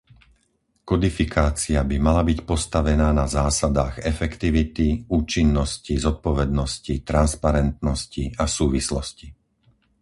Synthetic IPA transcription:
kɔd̪ifikʰaːt͡siabimalabicpɔst̪aʋɛnaːnazaːsad̪aːɣɛfɛkt̪iʋit̪iuːt͡ʃinːɔscizɔt̪̚pɔʋɛd̪nɔscit̪ɾanspaɾɛnt̪nɔsciasuːʋislɔsci

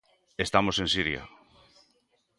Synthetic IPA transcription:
est̪amosensiɾja̰

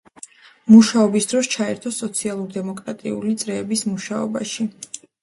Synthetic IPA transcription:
muʃaɔbisd̪ɾɔst͡ʃʰaɛɾt̪ʰɔsɔt̪sʰialˠuɾd̪ɛmɔkʼɾat̪ʼiulit̪sʼɾɛːbismuʃaɔ̰ba̰ʃi

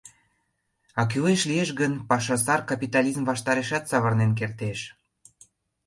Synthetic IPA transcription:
ɑk̬yleʃlieʃɡənpɑʃɑsɑrkɑpit̪ɑlʲizmvɑʃt̪ɑɾeʃɑt̪sɑβɤrnenk̬ert̪eʃ

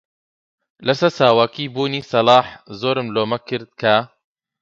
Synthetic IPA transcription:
lɐsɐɾsaːwakiːbuːniːsɐlɑːħzoːɾɨmloːmɐkɨɾd̪̚kʰɐ

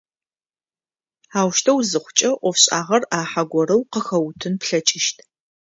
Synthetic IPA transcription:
aːwʃtʰɐwzɨχʷʊt͡ʃʼɐʔʷɔfɕʼaːʁɐraːħaɡʷɔɾɐwqəxɐwtʰɨnpɬɐt͡ʃʼɪʃtʰ

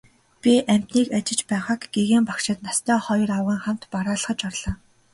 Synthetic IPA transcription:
pʲiʔæm̥ʲt̪niːkat͡ɕɪ̆t͡ɕpæːχaːkɡeɣeːmpakʃɪ̆t̪nast̪ʰœːχɔjɞ̆rawʁiːŋχam̥t̪paɾaːɮə̆χə̆t͡ɕɔrɮ̥aː

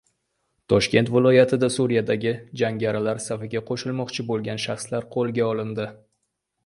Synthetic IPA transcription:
t̪ʰɒʃkʲe̞nt̪vɪlˠɒjat̪ʰɪd̪asuɾijad̪aɡʲɪd͡ʒaŋɡʲaɾɪlaɾsafɪɡʲaqʰoʃɪlˠmɒqt͡ʃʰɪbolˠɡʲanʃaχslaɾqʰolˠɡʲaɒlɪnd̪ɪ

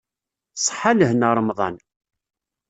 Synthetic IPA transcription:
sˤħaləhnəɾˤəmðˤɑn

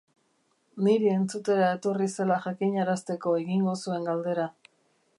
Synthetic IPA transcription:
niɾie̞nt͡sut̪e̞ɾae̞t̪o̞rise̞laʝakiɲaɾast̪e̞ko̞e̞ɣiŋɡo̞sue̞ŋɡald̪e̞ɾa

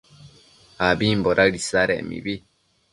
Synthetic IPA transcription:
habimboɾaɾisaɾemḭbi

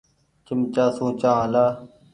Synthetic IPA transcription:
t͡ʃɪmt͡ʃaːsũːt͡ʃãːãlaː

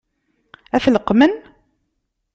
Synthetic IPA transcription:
æfləqːmən

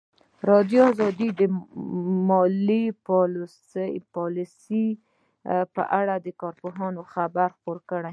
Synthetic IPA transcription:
ɾɑd̪joɑzɑd̪id̪ə | mɑliplspɑlisi | pə̰ʔaɽad̪əkɑɾpoɦɑnoxabaɾxpoɾkəɽaj

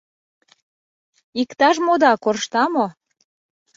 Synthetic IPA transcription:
ikt̪ɑʒmod̪ɑkorʃt̪ɑmo

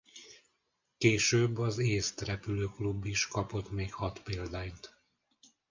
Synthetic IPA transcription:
keːʃøːbːɒzeːst̪rɛpyløːklubːiʃkɒpo̞t̪meːkhɒt̪peːld̪aːnt̪

